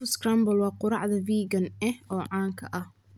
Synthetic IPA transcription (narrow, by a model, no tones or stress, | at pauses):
skrambɐlwɑːqʊɾɑ̰ʕðɐviːɡɐnɛhɔːʕɑːŋkʰɐʔɐh